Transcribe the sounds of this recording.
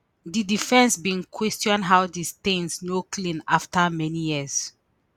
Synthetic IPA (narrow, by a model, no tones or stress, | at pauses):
didifɛ̃nsbĩnkʰwɛstjɔ̃nɦawdistẽnsnokʰlĩnaftamɛnijis